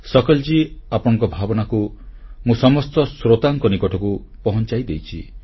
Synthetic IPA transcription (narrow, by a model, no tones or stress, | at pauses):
sɔkɔld͡ʒiapɔɽ̃ɔ̃ŋkɔbʱabɔnakumũsɔmɔst̪ɔsɾot̪aŋkɔnikɔʈʰɔku | pɔɦɔnt͡ʃajd̪ejt͡ʃʰi